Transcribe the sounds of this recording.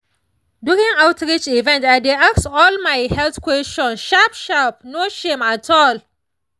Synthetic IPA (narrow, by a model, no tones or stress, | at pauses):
dukĩŋawtʰɹit͡ʃivɛ̃ntadeaksɔlmajhɛlθkwɛstɔ̃nʃapʃap̚noʃẽmatʰɔl